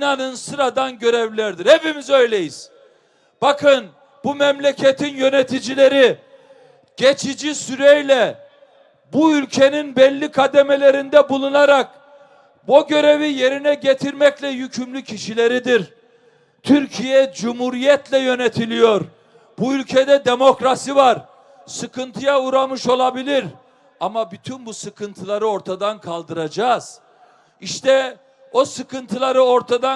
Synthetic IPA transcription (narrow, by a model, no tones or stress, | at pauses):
inanɯnsɯɾad̪anɟø̞ɾɛvlʲæɾd̪iɾevimizø̞jlʲe̞jiz̥ | b̥akʰɯn | bumɛmlʲecʰet̪ʰinjø̞net̪ʰid͡ʒilʲe̞ɾi | ɟ̥et͡ʃʰid͡ʒisyɾɛjlʲɛ | buylʲcʰe̞ninbɛlʲːikʰad̪emelʲe̞ɾind̪ɛbulˠunaɾak | boɟø̞ɾevije̞ɾinɛɟet̪ʰiɾmɛclʲɛjycʰymlʲycʰiʃilʲeɾid̪iɾ | t̪ʰyɾcʰijɛd͡ʒumhuɾijɛt̪lʲɛjø̞net̪ʰilʲijo̞ɾ | buylʲcʰed̪ɛd̪e̞mo̞kɾasivaɾ | sɯkɯnt̪ʰɯjauɾamɯʃo̞lˠabilʲiɾ | amabyt̪ʰynbusɯkʰɯnt̪ʰɯlˠaɾɯo̞ɾt̪ʰad̪ankʰalˠd̪ɯɾad͡ʒaːz̥ | iʃt̪ʰɛ | o̞sɯkɯnt̪ʰɯlˠaɾɯo̞ɾt̪ʰad̪a